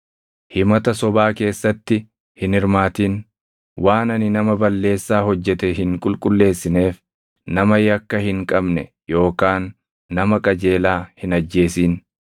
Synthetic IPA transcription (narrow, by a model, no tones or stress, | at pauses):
hɪmɐt̪ɐsɔbaːke̞ːsːɐt̪ːɪ | hɪnɪɾmaːt̪iːn | waːnɐnɪnɐmɐbɐlːe̞ːsːaːɦɔd͡ʒːɛt̪ɛɦɪŋkʼʊlkʼʊlːe̞ːsːɪne̞ːf | nɐmɐjɐkːɐhɪŋkʼɐbnɛ | jo̞ːkaːnː | ɐmɐkʼɐd͡ʒe̞ːlaːhɪnɐd͡ʒːe̞ːsiːn